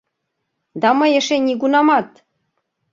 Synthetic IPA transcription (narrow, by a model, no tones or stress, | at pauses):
d̪ɑmɤ̆jĕʃenʲiɡunɑmɑt̪